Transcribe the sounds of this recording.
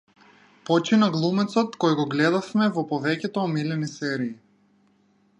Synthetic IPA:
pɔt͡ʃinaɡlˠumɛt̪sɔt̪kɔjɡɔɡlɛd̪afmɛvɔpɔvɛcʲɛt̪ɔːmilɛnisɛɾiː

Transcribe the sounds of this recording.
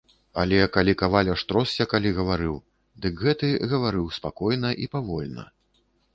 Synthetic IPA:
alʲɛkalʲikavalʲɐʂt̪ɾɔsːʲɐkalʲiɣɐvaɾɨw | d̪ɨkɣɛt̪ɨɣɐvaɾɨwspakɔjnɐʔipavɔlʲnɐ̰

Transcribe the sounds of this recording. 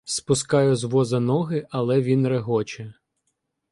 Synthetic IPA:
spʊskɑjʊzʋɔzɐnɔɦɪɐlˠɛʋʲinɾeɦɔt͡ʃɛ

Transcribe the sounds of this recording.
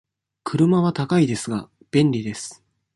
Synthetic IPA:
kʰɯ̟ɾɯ̟maβ̞at̪akaid̪e̞sɨɡa̰ | b̥ẽ̞nɾʲid̪e̞sɨ̥

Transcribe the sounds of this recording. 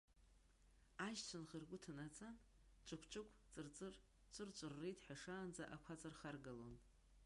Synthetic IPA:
aʒt͡ɕʷʰanχərɡʷʊtʰanat͡sʼan | t͡ʃʷʼɨkʷʰt͡ʃʷʼɨkʷʰʼt͡sʼɨrt͡sʼɨr | t͡ʃʷʼɨrt͡ʃʷʼɨrːejtʰʼħᶣaʂaːnd͡zaʔakʷʰat͡sʼarχarɡalon

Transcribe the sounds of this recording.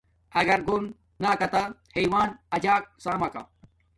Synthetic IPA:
ɐɡɐɾɡon | naːkɐt̪ahejwaːnɐd͡ʑaːk̚saːmɐka̰

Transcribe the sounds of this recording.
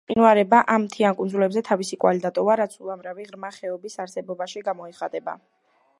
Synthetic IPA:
qʼinuaɾɛbaʔammt̪ʰiankʼund̪zulɛbzɛt̪ʰavisikʼwalid̪at̪ʼɔvaɾat̪sʰulˠamɾaviʁɾmaχɛɔbisaɾsɛbɔbaʃiɡamɔiχat̪ʼɛba̰

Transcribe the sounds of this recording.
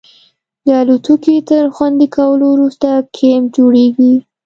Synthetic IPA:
d̪əalut̪ukit̪əɾxwand̪ikʰawəlowɾust̪akʰemd͡ʒoɽeɡi

